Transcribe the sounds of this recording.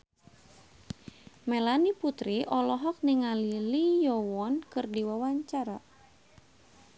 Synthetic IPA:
melaniput̪ɾiʔɔlɔɦɔk̚niŋalilijɔwɔnkɨrdiwawaɲt͡ʃaɾa

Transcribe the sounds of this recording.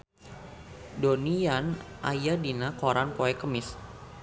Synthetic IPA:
donijanʔa̰jadinakoɾanpoɛkəmɪs

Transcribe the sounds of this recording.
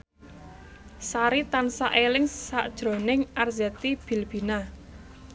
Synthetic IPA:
saɾit̪ansaʔelɪŋsaʔd̥ʒ̥ɾo̤nɪŋʔarzɛt̪ib̥i̤lb̥i̤na

